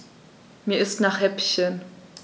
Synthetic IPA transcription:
miːɐɪstnaːχhɛpçən

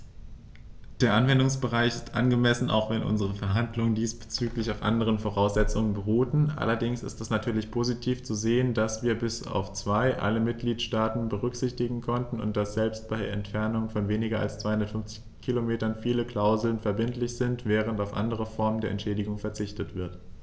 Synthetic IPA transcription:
d̥eːɐʔanvɛndʊŋsb̥əʁaɪçɪstʔa̰nɡəmɛsn̩ʔa̰ʊxv̥ɛnʔʊ̰nzəʁ̞əfɛɐɦandlʊŋəndiːsb̥ə̥t͡syːklɪçaʊfʔa̰ndəʁ̞ənfoʁaʊsz̥ɛt͡sʊŋənbəʁuːtn̩ʔa̰lɐdɪŋsɪ̰stɛsnatʰyːɐlɪçpʰozitʰiːft͡suzeːəndasv̥iːɐbɪsa̰ʊft͡sv̥aɪʔa̰ləmɪt̚ɡ̥liːtʃtaːtn̩bəʁ̞ʏkz̥ɪçtɪɡŋ̩kʰɔntn̩ʊ̰nt̚d̥asz̥ɛlpst̚b̥aɪeɐɛntfɛɐnʊŋənfɔnveːnɪɡɐa̰lst͡sv̥aɪhʊndɐtfʏnft͡sɪçkʰilomeːtɐnfiːləkl̥aʊzl̩nfɛɐbɪntlɪçz̥ɪntv̥ɛːʁ̞əntaʊfʔa̰ndəʁəfɔɐməndeːɐɛ̰ntʃɛːdɪɡʊŋfɛɐt͡sɪçtətv̥ɪɐt

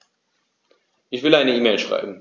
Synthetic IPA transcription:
ʔɪçv̥ɪlaɪnəiːmeɪlʃʁ̥a̰ɪbm̩

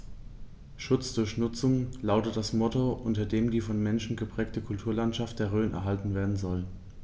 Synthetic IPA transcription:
ʃʊt͡sd̥ʊɐçnʊt͡sʊŋlaʊtət̚d̥asmɔtoʔʊntɐdeːmdiːfɔnmɛnʃn̩ɡəpʁ̥ɛːk̚təkʰʊltʰuːɐlantʃaftd̥eːɐʁøːnʔɛ̰ɐɦaltn̩veːɐdn̩zɔl

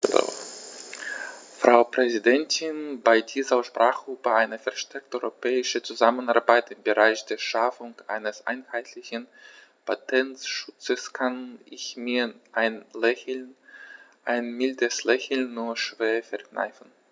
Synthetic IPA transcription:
lo̰ | fʁ̥aʊpʁ̥ɛzidɛntʰɪnbaɪdiːzɐʃpʁ̥aːχɡ̥ʁuːpəʔaɪnəfɛɐʃtʰɛɐk̚təʔɔʏʁopʰɛːɪʃət͡suzamənaɐbaɪtɪmbəʁaɪçd̥eːɐʃafʊŋʔa̰ɪnəsʔa̰ɪnhaɪtʰlɪçən | pʰatʰɛntʃʊt͡səskʰanʔɪçmiːɐʔɪn | ʔaɪnmɪldəslɛçl̩nːuːɐʃv̥eːɐfɛɐkna̰ɪfn̩

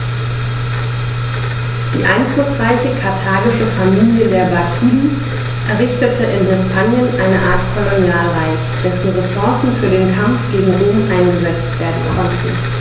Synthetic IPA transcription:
d̥ḭːʔa̰ɪnflʊsʁaɪçəkʰaɐtʰaːɡɪʃəfamiːljədeːɐbakʰiːdn̩ | ʔɛɐʁɪçtətʰəʔɪnhɛspʰaːnjənʔaɪnəʔaːɐtkʰɔlonjaːlʁaɪç | d̥ɛsn̩ʁɛsɔɐsn̩fyːɐdeːnkʰamfɡ̥eːɡŋ̩ʁoːmʔaɪnɡəzɛt͡stv̥eːɐdn̩kʰɔntn̩

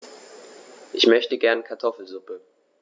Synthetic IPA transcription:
ʔɪçmœçtəɡɛɐnkʰaɐtʰɔfl̩zʊpə

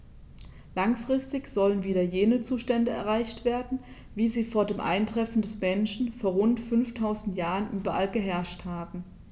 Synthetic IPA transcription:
laŋfʁ̥ɪstɪçz̥ɔlənviːdɐjeːnət͡suːʃtɛndəɛ̰ɐʁaɪçtv̥eːɐdn̩ | viːziːfoːɐdeːmʔa̰ɪntʁ̥ɛfn̩dɛsmɛnʃn̩foːɐʁʊntfʏnftʰaʊzn̩tjaːʁənʔyːbɐʔalɡəɦɛɐʃthaːbm̩

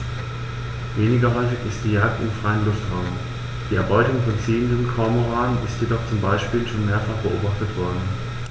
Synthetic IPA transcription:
veːnɪɡɐɦɔʏfɪçɪst̚d̥iːjaːk̚tɪ̰mfʁ̥aɪənlʊftʁaʊm | d̥iːɛɐbɔʏtʊŋfɔnt͡siːəndənkʰɔɐmoʁaːənɪstjedɔχt͡sʊmbaɪʃpiːlʃoːnmeːɐfaχb̥əʔoːbaχtətv̥ɔɐdn̩

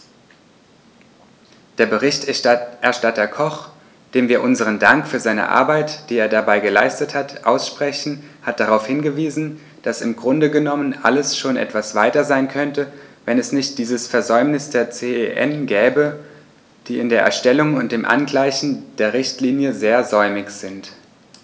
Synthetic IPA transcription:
d̥eːɐbəʁ̞ɪçtʔɛɐʃtatɐkʰɔχ | d̥eːmviːɐʔʊnzəʁ̞əndaŋkfyːɐzaɪnə̰ʔa̰ɐbaɪtd̥iːeːɐdabaɪɡəla̰ɪstəthatʔa̰ʊsʃpʁ̥ɛçn̩hat̚d̥aʁaʊfhɪnɡəviːzn̩ | d̥asɪmɡʁʊndəɡənɔmənʔa̰ləsʃoːnʔɛ̰tv̥asv̥aɪtɐzaɪnkʰœntəvɛnɛsnɪçt̚d̥iːzəsfɛɐzɔʏmnɪsd̥eːɐt͡seːeʔɛ̰nɡɛːbə | d̥iːɪndeːɐʔɛ̰ɐʃtɛlʊŋʊnt̚d̥eːmʔa̰nɡlaɪçn̩d̥eːɐʁɪçtliːnjəzeːɐzɔʏmɪçz̥ɪnt

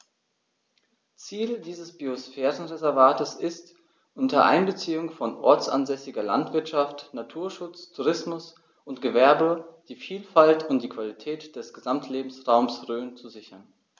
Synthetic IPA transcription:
t͡siːldiːzəsb̥iosfɛːʁənʁezɛɐvaːtəsɪst | ʔʊntɐʔa̰ɪnbət͡siːʊŋfɔnʔɔ̰ɐt͡sʔa̰nzɛsɪɡɐla̰ntv̥ɪɐtʃaftnatʰuːɐʃʊt͡stʰuʁɪsmʊs | ʔʊntɡ̥əvɛɐbəd̥iːfiːlfaltʰʊntd̥iːkv̥alitʰɛːtd̥ɛsɡ̥əzamtʰleːbm̩sʁaʊmsʁøːnt͡suzɪçɐn

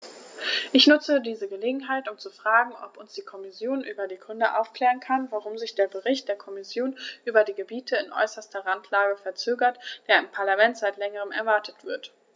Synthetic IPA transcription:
ʔɪçnʊt͡sədiːzəɡəleːɡŋ̩ɦaɪtʊmt͡sufʁ̥aːɡŋ̩ʔɔ̰pʊnsd̥iːkʰɔmɪsjoːnʔyːbɐdiːkʰʊndəʔa̰ʊfkl̥ɛːʁənkʰanvaʁʊmzɪçd̥eːɐbəʁɪçt̚d̥eːɐkʰɔmɪsjoːnʔyːbɐdiːɡəbiːtʰəɪnʔɔ̰ʏsɐstɐʁantʰlaːɡəfɛɐt͡søːɡɐtd̥eːɐɪmpʰaɐlamɛntz̥aɪtlɛŋəʁ̞əmɛ̰ɐvaɐtʰətv̥ɪɐt

